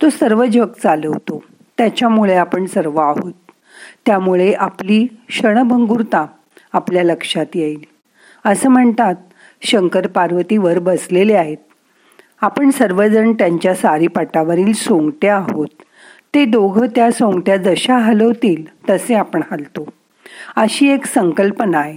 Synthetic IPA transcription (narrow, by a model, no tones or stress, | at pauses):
t̪osəɾʋəd͡ʑʋəkt͡saləʋt̪o | t̪jat͡ɕjamuɭeapəɳsəɾʋəaɦot̪ː | jamuɭeʔapliːɕəɽ̃bʱəŋɡuɾt̪a | apljaləkʂat̪jeil | əsəːm̤əɳt̪at̪̚ | ɕəŋkəɾpaɾʋət̪iːʋəɾbəsleleaɦet̪̚ | apəɳsəɾʋəd͡zəɳt̪jaɲt͡ɕjasaɾiːpaʈaʋəɾiːlsõŋɡʈeaɦot̪ː | ed̪oɡʱət̪jasõŋɡʈjad͡zəɕaɦalɦot̪iːlt̪əseapəɳhalt̪o | əɕiːeksəŋkəlpənaɦe